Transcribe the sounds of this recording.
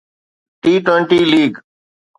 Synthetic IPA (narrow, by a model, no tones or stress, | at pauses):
ʈiːʈweɳʈiːliːɡ